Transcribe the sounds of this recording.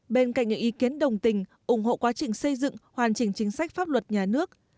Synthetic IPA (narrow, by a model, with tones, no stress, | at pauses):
ɓe˧nka̰˧˨ŋɲɨ̰˧˥ŋʔi˨˦ki˨˦ənɗə˨˩wŋ͡mt̪ï˨˩ŋ̟ʔʊ˧˩ŋ͡mho̰˧˨kwaː˨˦t͡ɕï˨˩ŋ̟sə˧jzɨ̰˧˨ŋhwaː˨˩nt͡ɕï˨˩ŋ̟t͡ɕï˨˦ŋ̟sa˦˥k̟̚faː˦˥p̚lwə˨˩t̚ɲaː˨˩nɨ˦˥ək̚